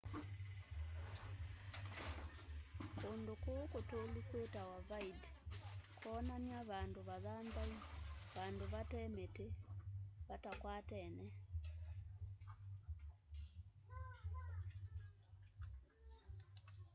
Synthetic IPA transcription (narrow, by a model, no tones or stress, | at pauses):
kondokokotolukwetawavaid | kʰɔnaniaβandoβaðambaiβandoβatɛmete | βatakwaːtɛnɛ